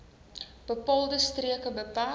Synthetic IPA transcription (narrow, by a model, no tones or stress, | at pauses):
b̥əpɑːlˠdəstriəkəbəpaː